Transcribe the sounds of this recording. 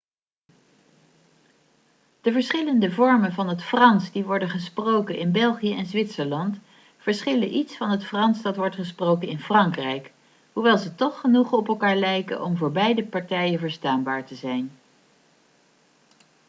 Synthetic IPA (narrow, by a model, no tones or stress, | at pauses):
d̥əvəɹsχɪləndəvɔɹmənvɑnɦətfrɑnsdiʋɔɹdənχəsprowkənɪnbɛlˠχijəɛnzʋɪtsəɹlɑnt | fəɹsχɪləʔitsfɑnɦətfrɑnsdɑtʋɔɹtχəsprowkənɪnfrɑŋkrɛjk | ɦuʋɛlˠzətɔχːənuχɔpɛlˠkaːɹlɛjkə̰ʔɔmvʊːɹbɛjdəpɑɹtɛjənvəɹstaːnbaːɹtəzɛjn